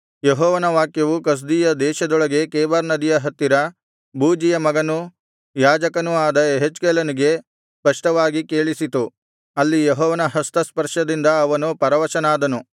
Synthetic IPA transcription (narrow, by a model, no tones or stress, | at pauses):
jeɦɔːʋɐnɐʋaːkjɐʋukɐs̬d̪iːjɐd̪ɛːʃɐd̪ɔɭɐɡe̞kɛːbaɾnɐd̪ijɐɦɐt̪ːiɾɐ | buːd͡ʒijɐmɐɡɐnu | jaːd͡ʒɐkɐnuaːd̪ɐeɦet͡ʃkɛːlɐniɡe̞ | spɐʂʈɐʋaːɡikeːɭisit̪u | ɐlːijeɦɔːʋɐnɐɦɐst̪ɐspɐɾʂɐd̪ind̪ɐːʋɐnupɐɾɐʋɐʃɐnaːd̪ɐnu